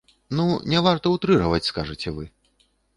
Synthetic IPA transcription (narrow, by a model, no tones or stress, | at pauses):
nunʲɛvart̪ɐut̪ɾɨɦɐvɐt͡sʲskaʐɨt͡sʲɛvɨ